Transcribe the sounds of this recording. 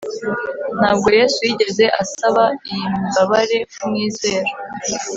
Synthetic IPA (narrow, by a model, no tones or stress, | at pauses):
n̥haːb̚ɡo̞je̞ːsujiɟe̞ze̞ʔasaβaijimbaβaɾe̞kumŋiːze̞ːɾo